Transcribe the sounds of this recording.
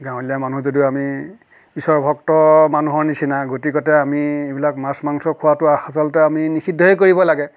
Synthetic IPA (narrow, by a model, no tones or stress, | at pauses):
ɡãw̃lijamanuzodiami | bisɔɹbʱɔktɔmanuɦɔɹnisʰinaɡotikɔtɛamiebilakmasmaŋsɔkʰʊwatʊaxasalɔtɛaminixʰidʱɔɦekoɹibɔlaɡɛ